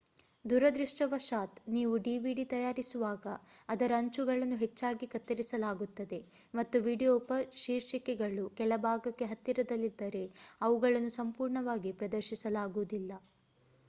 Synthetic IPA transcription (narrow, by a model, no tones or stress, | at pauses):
d̪ʱuɾɐd̪ɾiʂʈɐʋɐʃaːt̪niːʋuɖiːʋiɖit̪ɐjaːɾisuʋaːɡɐːd̪ɐɾɐːɲt͡ʃuɡɐɭɐnːuɦet͡ʃːaːɡikɐt̪ːɐɾisɐlaːɡut̪ːɐd̪e̞ | mɐt̪ːuʋiːɖijoːpɐʃiːɾʃikɛɡɐɭukɛɭɐbʱaːɡɐkːe̞ɦɐt̪ːiɾɐd̪ɐlːid̪ːɐɾe̞ɐʋuɡɐɭɐnːusɐmpuːɾɳɐʋaːɡipɾɐd̪ɐɾʃisɐlaːɡuʋud̪ilːɐ